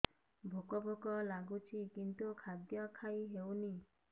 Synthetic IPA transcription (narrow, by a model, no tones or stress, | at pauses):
bʱokɔbʱokɔlaɡut͡ʃʰikint̪ukʰad̪jɔkʰajɦewni